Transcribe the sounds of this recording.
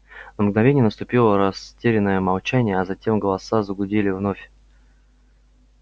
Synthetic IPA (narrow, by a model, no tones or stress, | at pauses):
nəmɡnɐvʲenʲɪjnəst̪ʊpʲilˠəɾɐstʲeɾʲɪnːəjəmɐlˠt͡ɕænʲɪjəɐzɐtʲe̞mɡəlˠɐsazəɡʊdʲelʲɪvnofʲ